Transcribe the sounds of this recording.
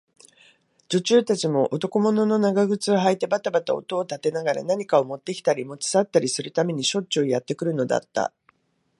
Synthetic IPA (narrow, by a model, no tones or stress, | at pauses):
d͡ʑot͡ɕɨːt̪at͡ɕimo̞ʔot̪o̞ko̞mo̞no̞no̞naɡaɡɯ̟t͡sɨoɦait̪e̞bat̪abat̪ao̞̰t̪o̞ːt̪at̪e̞naɡaɾa̰naɲ̟ikao̞mo̞t̪ːe̞kʲi̥t̪aɾʲimo̞t͡ɕi̥sat̪ːaɾʲisɨɾɯ̟t̪ame̞ɲ̟iɕo̞tɕɨoːjat̪ːe̞kɯ̟ɾɯ̟no̞d̪a̰t̪ːa̰